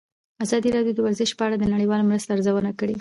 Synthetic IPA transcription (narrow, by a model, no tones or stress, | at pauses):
azɑd̪iɾɑɖjod̪əwaɾzɪʃpəaɽad̪ənaɽəjwɑlamɾəst̪aaɾzawənakəɽe